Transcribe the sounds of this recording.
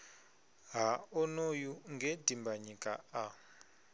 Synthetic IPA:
ɦaɔnojuŋɡʱɛdʱimbaɲikʼa̰ː

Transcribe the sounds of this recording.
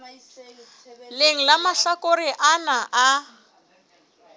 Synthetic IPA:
leŋ̩lamaɬakoɾiʔanaʔa

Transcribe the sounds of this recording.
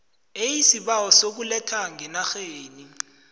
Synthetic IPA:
ejisiɓawɔsok̬ulɛtʰaŋɛnaxeːni

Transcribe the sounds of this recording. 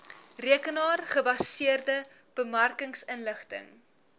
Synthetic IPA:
riəkənɑːrχəbɐsiərdəb̥əmærkəŋsənləχtə̰ŋ

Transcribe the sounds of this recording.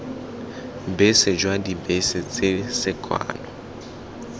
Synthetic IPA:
besɪd͡ʒwadibesɪt͡sʼɪsɪkʼwa̰ːnɔ

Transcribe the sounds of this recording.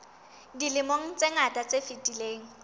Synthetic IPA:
dilɪmoŋ̩t͡sʼeŋatʼat͡sefitʼileːŋ̩

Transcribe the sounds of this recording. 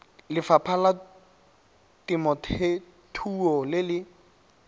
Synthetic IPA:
lɪfapʰala | tɪmɔtʰe | tʰuɔlɪlɪ

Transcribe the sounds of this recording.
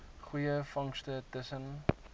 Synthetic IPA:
χujəfɐŋstətəsən

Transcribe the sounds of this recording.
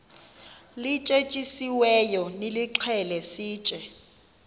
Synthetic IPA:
lɪt͡ʃʼet͡ʃʼisiwɛjɔnɪlɪǃʰɛlɛsiːt͡ʃʼɛ

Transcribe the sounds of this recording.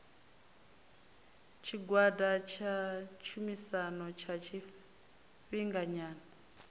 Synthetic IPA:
t͡ʃʰiɡwadat͡ʃʰat͡ʃʰumisanɔt͡ʃʰat͡ʃʰi | ɸiŋɡaɲaːnaa

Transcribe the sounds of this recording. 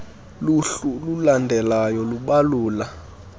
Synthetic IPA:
luɬululandʱɛlajɔluɓaluːla

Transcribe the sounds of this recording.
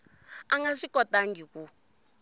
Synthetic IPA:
aŋɡaʂikɔtaŋɡiku

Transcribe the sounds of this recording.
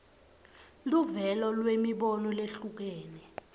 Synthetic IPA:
luvɛlɔlwemiɓɔnɔleɬuk̬ɛːnɛ

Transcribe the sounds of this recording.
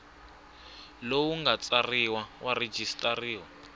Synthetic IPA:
lowuŋɡat͡sariwawʔare̥d͡ʒistʼariːwa

